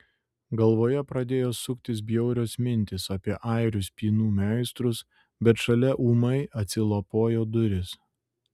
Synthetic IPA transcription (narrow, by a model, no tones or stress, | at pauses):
ɡɐlˠʋoːjɛpɾɐd̪ʲeːjoːsʊkʲt̪ʲɪs̬bʲjɛʊɾʲoːsmʲɪnʲt̪ʲɪsɐpʲiɛʔɐɪɾʲʊspʲiːnuːmʲæˑɪst̪ɾʊs | bʲɛt̪ʃɐlʲɛʔuːmɐɪʔɐt̪ʲsʲɪlˠopoːjoːd̪ʊɾʲɪs